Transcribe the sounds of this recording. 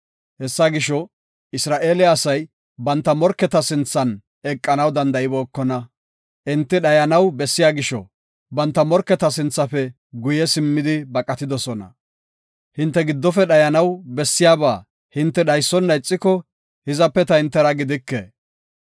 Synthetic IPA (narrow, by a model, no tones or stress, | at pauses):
hɛsːaɡɪʃɔ | ɪsɾaːʔe̞ːlɪɐsɐj | bɐnt̪ːɐmɔɾkːɛt̪ɐsɪnt͡sːɐn | ɛkʼːɐnɐwd̪ɐnd̪ɐʔɪboːkːɔnɐ | ʔɪnt̪ːɪɗɐjɐnɐwbɛsːɪjaːɡɪʃɔ̰ | bɐnt̪ːɐmɔɾkːɛt̪ɐsɪnt͡sːɐfɛ | ɡʊjɛsɪmːɪd̪ɪbɐkʼːɐt̪ɪd̪ɔsɔnɐ̰ | hɪnt̪ːɛɡɪd̪ːɔfɛɗɐjɐnɐwbɛsːɪjaːbaː | hɪnt̪ːɛɗɐjsːɔnːɐjt͡sʼːɪkɔ | hɪzɐpːɛt̪ɐhɪnt̪ːɛɾɐɡɪd̪ɪkːḛː